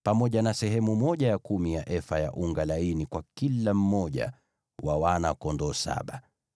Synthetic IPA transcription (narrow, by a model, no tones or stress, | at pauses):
pamɔʄanasɛɦɛmumɔʄajakumijaʔɛfaja̰ʔuŋɡalainikwakilam̩mɔʄa̰ | wawana̰kɔndɔsa̰ɓa